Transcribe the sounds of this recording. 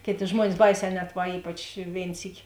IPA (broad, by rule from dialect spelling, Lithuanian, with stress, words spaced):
ˈkʲeːˌtʲeː ˈʒmuɔnʲɪs ˈbɐɪˌsʲɛː ˈnʲɛt ˈʋɐ ˈiːpɐt͡ʃ ˈʋʲeːɪn ˈsʲiːkʲɪ